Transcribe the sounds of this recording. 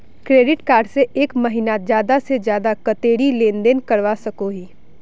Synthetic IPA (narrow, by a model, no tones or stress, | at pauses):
kɾeːɖɪʈkaːɾɖseʔeːkmɐɦinad͡ʒjaːd̪asezjaːd̪akɐt̪eːɽilẽːnd̪enkɐɾʋasɐkoɦiː